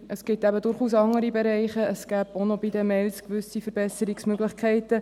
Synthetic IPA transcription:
ʔəsɡ̥ɪtæbədʊɾχuːsɑŋːəɾibɛɾɛɪχəəsɡ̥æːb̥onobidəmɛlskʋʏsifəɾbɛsəɾiksmøɡlɪχkʰɛɪtə

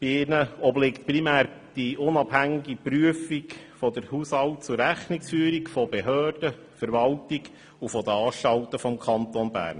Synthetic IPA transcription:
b̥iɪnəɔblɪkt̪̚primæːɾd̥iʔʊnɑbhæŋiɡipɾyəfik | fɔd̥əɾhushɑwtt͡sʊrːæχniksfyːɾikfɔbeɦøːrd̥ə | fəɾʋɑltiɡ | ufɔd̪əɑːʃtɑltəfɔmkʰɑntonbæ̰ːɾn

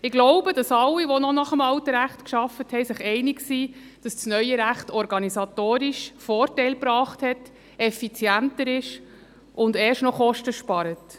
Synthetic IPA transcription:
ɪɡ̥loʊbəd̥ɑsɑlːiʋonɔnɑχəmɑwtəɾæχtkʃɑfəthɛɪsɪχɛɪnɪɡsiː | d̥ɑst͡snœʏjəɾæχtɔɾɡɑnisɑtoːɾiʃfɔːɾtɛɪlpɾɑːχthɛt | ɛfit͡sjæntəɾɪʃ | ʔʊndɛːʃnɔχɔʃtəʃpɑɾət

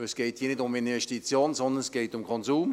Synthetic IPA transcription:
əsɡ̥ɛɪthiːɐnɪdʊmɪnvɛʃtit͡sjoːnzɔnd̪ənɛsɡ̥ɛɪtʊmkʰɔnzuːm

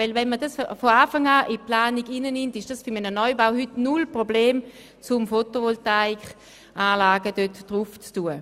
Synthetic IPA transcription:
vɛlvɛnmədasffɔaːfaŋaːʔɪplaːniɡinənɪmtɪʃd̥asfʏmənənɔʏbaʊhytnulpʁɔbleːm | t͡sʊmfotovɔltaɪk | ʔaːlaːɡədøtd̥ʁuft͡stuːə

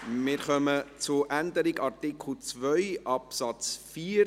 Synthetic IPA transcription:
mɪɾχœmət͡sʊɾʔænd̪əɾiɡɑrtikl̩t͡svœʏʔɑpsɑt͡sfiː

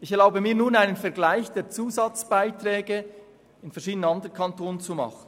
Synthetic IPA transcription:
ɪçɛɐlaʊbəmiːɐnuːnaɪnənfɛɐɡlaɪçd̥eːt͡suːzɑt͡sb̥aɪtɾɛːɡə | ɪnfɛɐɾʃiːdənənɑndʁənkʰɑntoːnt͡sumɑ̰χən̩

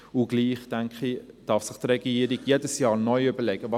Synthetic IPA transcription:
ʊɡ̥liːχtɛŋkχid̥ɑfsɪχtrɛɡiəɾiɡjeːdəsjɑːɾnɔʏʏbəlɛɡ̥əvɑ

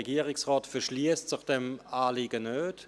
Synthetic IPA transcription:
eɡiːəʁɪsʁaːtfɛɐʃliːəstsɪχd̥emaːliːɡənøːt

